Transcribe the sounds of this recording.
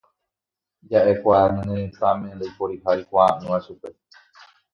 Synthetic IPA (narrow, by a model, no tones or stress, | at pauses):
d͡ʒaʔekʷanɨ̃nẽɾẽt̪amẽnd̪ejpoɾihajkʷaːʔɨ̃ʋaʃupe̞